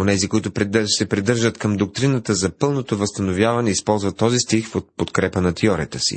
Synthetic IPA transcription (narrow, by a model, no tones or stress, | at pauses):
onɛzikoit̪ʊp̪sɛpɾid̪ɤɾʒət̪kɐmd̪ok̚t̪ɾinət̪əzɐpɤlˠnot̪ovəst̪ɐnovjavɐnɛispɔlˠzvɐt̪ːɔzist̪ixfot̪̚pot̪kɾɛpənɐt̪ɛɔɾijət̪əsḭ